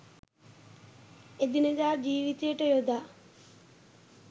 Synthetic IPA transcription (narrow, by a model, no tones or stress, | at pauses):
ed̪ined̪aːd͡ʒiːʋit̪ejəʈəjod̪aː